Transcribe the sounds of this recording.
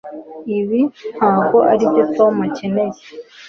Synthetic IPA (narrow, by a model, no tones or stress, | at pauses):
iβinaːkoʔa̰ɾidetomaceneje